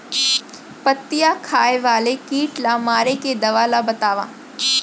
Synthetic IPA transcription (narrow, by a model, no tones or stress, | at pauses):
pɐt̪ːɪjakʰaːeʋaːlekiːʈlamaːɾeked̪ɐʋaːlabɐt̪aːʋa̰ː